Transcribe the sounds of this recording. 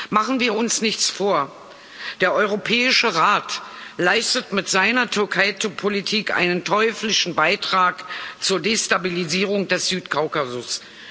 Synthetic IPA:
maχn̩viːɐʊnsnɪçt͡sfoːɐ | d̥eːɐʔɔʏʁopʰɛːɪʃəʁaːtlaɪstətmɪtz̥aɪnɐtʰʏɐkʰaɪtpʰolitʰiːkʔa̰ɪnəntʰɔʏflɪʃn̩baɪtʁ̥aːkt͡suːɐdeːstabiliziːʁ̞ʊŋd̥ɛsz̥yːtkʰaʊkazʊs

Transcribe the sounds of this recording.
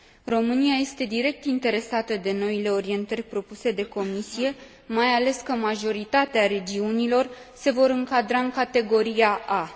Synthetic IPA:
ro̞mɨniaje̞st̪e̞d̪iɾe̞k̚t̪int̪e̞ɾe̞sat̪əd̪e̞no̞ile̞o̞ɾie̞nt̪ərʲpɾo̞puse̞d̪e̞ko̞misije̞ | majale̞skəmaʒo̞ɾit̪at̪eaɾe̞d͡ʒiunilo̞r | se̞vo̞ɾɨŋkad̪ɾaɨŋkat̪e̞ɡo̞ɾijaʔa

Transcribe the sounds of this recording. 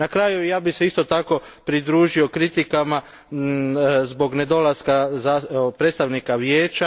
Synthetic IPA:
nakɾaːjujaːbise̞ist̪o̞t̪ako̞ | pɾid̪ɾuːʒio̞kɾit̪ikama | zbo̞ɡne̞d̪o̞laskazapɾeːt̪st̪aʋnikaʋje̞ːt͡ʃa

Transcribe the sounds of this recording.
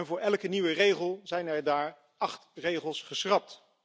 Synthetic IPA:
nvʊːɹɛlˠkəniʋərejχəlˠzɛjnɛɹdaːɹ | ɑχtrejχəlˠsχəsrɑp̚t

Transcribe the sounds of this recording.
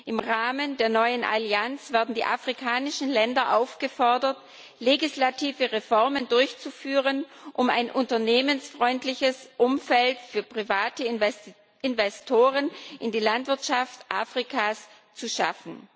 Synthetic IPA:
ʔɪmʁaːməndeːɐnɔʏənʔa̰liant͡sv̥ɛɐdn̩dḭːʔa̰fʁ̥ikʰaːnɪʃn̩lɛndɐʔaʊfɡ̥əfɔɐdɐt | leɡislatʰiːvəʁefɔʁməndʊɐçt͡sufyːʁənʔʊma̰ɪnʔʊntɐneːmənsfʁ̥ɔʏntlɪçəsʔʊmfɛltfyːɐpʁ̥ivaːtə | ɪnvɛstʰoːʁ̞ənʔɪndiːlantv̥ɪɐtʃaftʔa̰ːfʁ̥ikʰaːs | t͡suʃa̰fn̩

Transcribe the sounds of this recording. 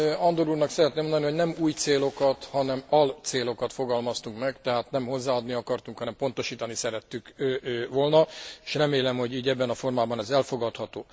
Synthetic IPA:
ɒnd̪oɾuːrnɒksɛɾɛt̪neːmond̪ɒniho̞ɟnɛmuːjt̪seːlo̞kɒt̪hɒnɛmɒlt̪seːlo̞kɒt̪fo̞ɡɒlmɒst̪uŋkmɛɡt̪ɛɦaːt̪nɛmɦo̞zːaːɒd̪niɒkɒrt̪uŋkhɒnɛmpo̞nt̪o̞ʃiːt̪ɒnisɛɾɛt̪ːykːvo̞lnɒe̥ʃrɛmeːlɛmho̞ɟiːɟɛbːɛnɒfo̞rmaːbɒnɛzɛlfo̞ɡɒt̪hɒt̪oː

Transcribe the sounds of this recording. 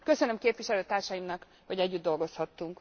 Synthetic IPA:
kø̞sønømkeːpʋiʃɛløːt̪aːrʃɒjimnɒk | hɒɟɛɟːyd̪d̪o̞lɡo̞shɒt̪ːuŋk

